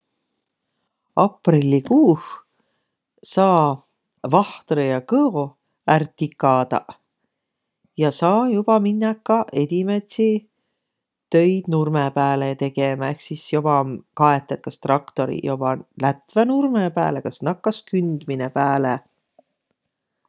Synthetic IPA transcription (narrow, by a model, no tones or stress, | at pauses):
ɑprilʲːikuːh | sɑː | vɑht̪rejɑkɤo | ært̪ːikːˑɑd̪̥ɑ̰ | jɑsɑːjub̥ɑminːɑkːɑʔe̞d̪̥ʲimet̪si | t̪ø̞jd̪̥nurmepæːlet̪e̞ɡ̥emɑe̞hksisjobɑkɑet̪ːˑet̪̚kɑst̪rɑkt̪o̞ɾḭjob̥ɑlæt̪venurmepæ̰ːlekɑsnɑkːɑskynd̪̥minepæːle